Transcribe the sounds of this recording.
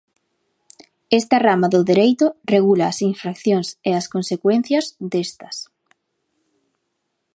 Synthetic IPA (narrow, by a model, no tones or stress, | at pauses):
est̪ɐramaðʊðeɾejt̪ʊreɣulaːsiɱfɾakθjoŋseɐskonsekwen̟θjɐzd̪est̪ɐ̥s